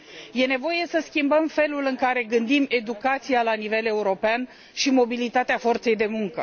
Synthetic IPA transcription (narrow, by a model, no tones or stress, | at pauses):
je̞ne̞vo̞je̞səskʲimbəmfe̞lulɨŋkaɾe̞ɡɨnd̪ime̞d̪ukat̪sijalanive̞le̞uɾo̞pean | ʃimo̞bilit̪at̪eafo̞rt̪se̞jd̪e̞muŋkə